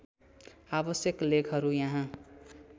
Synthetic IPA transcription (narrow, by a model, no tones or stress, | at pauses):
abʌsjʌklekʰɦʌɾujãɦã